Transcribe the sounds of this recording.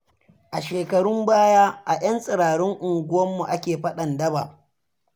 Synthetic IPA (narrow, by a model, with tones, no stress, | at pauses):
ʔa˨ʃeː˨kɐ˨ɽʊ˦mbaː˦jaː˦ʔa˨j̰ɐ˦nsʼɪ˨ɽaː˨ɽʊ˦ŋʔʊ˨ŋɡʷʊ˦wɐ˦mːu˨ʔa˦kʲeː˨ɸɐ˦ɗɐ˨ndɐ˦ba̰˨